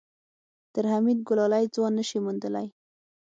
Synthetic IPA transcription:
t̪əɾhamid̪̚ɡʊlɑlajd͡zwɑnːəʃimund̪əla̰j

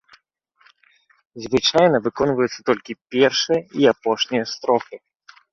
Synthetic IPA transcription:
zvɨt͡ʂajnɐvɨkɔnvɐjut̪sːɐ̥t̪ɔlʲkʲipʲɛrʂɨjɐiapɔʂnʲijɐst̪ɾɔxɨ

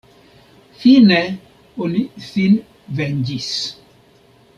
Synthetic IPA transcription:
θinɛ | ɔniθin | vɛnd͡ʒis

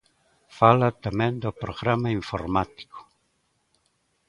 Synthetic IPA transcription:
falat̪amẽnd̪opɾoɣɾamaiɱfoɾmat̪i̥ko̥

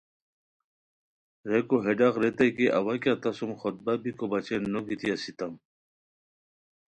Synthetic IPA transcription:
ɾekoɦeɖaqɾet̪ɐjkeʔɐwakat̪ɐsumxot̪̚babikobɐt͡ɕenːoɡit̪iɐsit̪ɐm

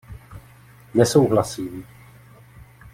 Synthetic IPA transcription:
nɛsowɦlasiːm

